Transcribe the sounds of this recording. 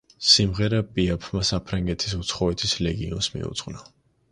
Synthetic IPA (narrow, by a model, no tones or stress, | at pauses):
simʁɛɾapʼiapʰmasapʰɾaŋɡɛt̪ʰisut̪sʰχɔɛt̪ʰislɛɡiɔnsmḭṵt̪sʼqʼna